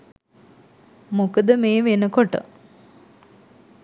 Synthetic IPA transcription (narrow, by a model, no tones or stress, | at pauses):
mokəd̪əmeːʋenəkoʈə̰